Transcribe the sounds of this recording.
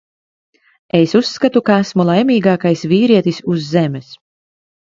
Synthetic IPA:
esusːkat̪ukaasmulˠajmʲiːɡaːkajsviːɾiɛt̪isuzːemɛs

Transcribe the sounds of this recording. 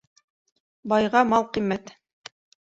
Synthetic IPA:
bɑjʁɑmɑlˠqimːæt̪

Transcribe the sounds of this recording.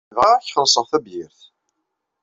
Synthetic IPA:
ʁɑɾçχəɾsˤəʁθæbjɪɾθ

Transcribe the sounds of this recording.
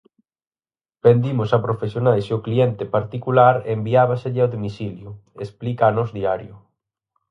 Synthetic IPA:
pend̪imʊsapɾofesjonajsʊkliɛnt̪ɪpaɾt̪ikulaɾembiaβaseʎɪawðomisiljʊesplikaanɔzðiaɾjʊ

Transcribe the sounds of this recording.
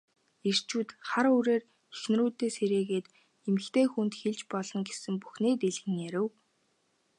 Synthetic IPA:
er̥t͡ɕuːt̪χaɾuɾeːr | exnruːt̪ːeːseɾeːɣeːt̪ | emɘ̆kt̪ʰeːxunt̪xeɮt͡ɕpɔɮɞ̆ŋɡesɘ̆mpu̥xneːt̪eɮɣɘ̆ŋjæɾɘ̆w

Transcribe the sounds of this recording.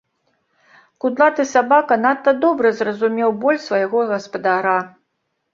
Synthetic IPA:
kud̪lˠat̪ɨsabakɐnat̪ːɐd̪ɔbɾɨzrɐzumʲɛwbɔlʲsvɐjaɣɔɣɐspɐd̪aɾa

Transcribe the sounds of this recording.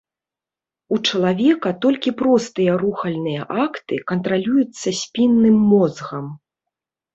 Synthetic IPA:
ut͡ʂɐlˠavʲɛkɐt̪ɔlʲkʲipɾɔst̪ɨjɐɾuxɐlʲnɨjɐʔakt̪ɨkɐnt̪ɾalʲujut̪sːɐsʲpʲinːɨmːɔzɣɐm

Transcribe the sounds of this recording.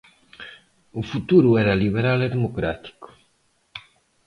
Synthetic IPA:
ufut̪uɾuɛɾaliβeɾaleðemokɾat̪i̥ku̥

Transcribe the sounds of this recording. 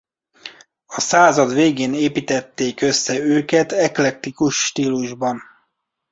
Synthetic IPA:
ɒsaːzɒd̪ʋeːɡeːneːpit̪ɛt̪ːeːkøsːɛøːkɛt̪ɛklɛt̪ːikuʃːt̪iːluʒbɒn

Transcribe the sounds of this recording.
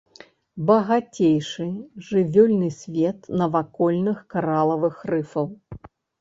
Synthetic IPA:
bɐɣat͡sʲejʂɨʐɨvʲɔlʲnɨsʲvʲɛt̪nɐvakɔlʲnɨxkaɾalˠɐvɨxrɨfɐw

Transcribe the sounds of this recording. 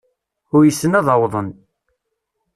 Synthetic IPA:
ʊɾjəsːənæðˤəwðˤən

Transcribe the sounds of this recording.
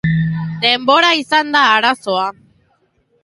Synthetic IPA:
d̪e̞mbo̞ɾaisand̪aːɾaso̞a

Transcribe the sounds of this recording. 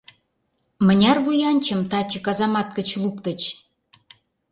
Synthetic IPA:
mə̆nʲɑrβujɑnʲt͡ɕə̆mt̪ɑt͡ɕɤ̆kɑzɑmɑt̪̚kə̆t͡ɕlupt̪ə̆t͡ɕ

